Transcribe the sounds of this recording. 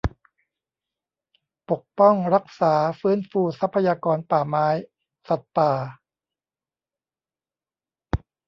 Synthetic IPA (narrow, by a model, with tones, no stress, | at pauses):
po˨˩k̚pɔ˥˩ŋɾa˦˥k̚saː˩˦fɯː˦˥nfuː˧˩sa˦˥pʰːa˧jaː˧kɔː˧npaː˨˩maː˦˥j | sa˨˩t̪̚paː˨˩